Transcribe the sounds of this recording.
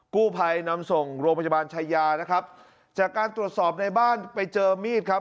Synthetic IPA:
kuː˥˩pʰa˧jna˧˥mso˨˩ŋɾoː˧mpa˧˩ja˧baː˧nt͡ɕʰa˧jːaː˧na˦˥kʰa˦˥p̚ | t͡ɕaː˨˩kːaː˧nt̪ɾu˨˩ət̪̚sɔː˨˩p̚na˧jbaː˥˩npa˧jt͡ɕɤː˧miː˥˩t̪̚kʰa˦˥p̚

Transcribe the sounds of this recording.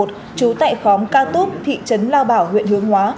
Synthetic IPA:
t̚ | t͡ɕu˨˦t̪a̰ː˧˨jxɔ˨˦mkaː˧t̪u˦˥p̚t̪ʰḭ˧˨t͡ɕə˨˦nlaː˧wɓaː˧˩whwḭ˧˨ənhɨ˨˦əŋɦwaː˨˦

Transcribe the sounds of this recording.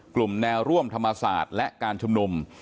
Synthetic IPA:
klu˨˩mnɛː˧wɾu˥˩əmt̪ʰa˧mːa˧sa̰ː˨˩t̪̚lɛ˦˥ʔkaː˧nt͡ɕʰu˧mnu˧m

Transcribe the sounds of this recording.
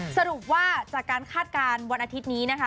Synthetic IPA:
sa˧ɾu˨˩p̚waː˥˩t͡ɕaː˨˩kːaː˧nkʰaː˥˩t̪̚kaː˧nwa˧nʔaː˧t̪ʰi˦˥t̪̚niː˦˥na˦˥kʰa˦˥

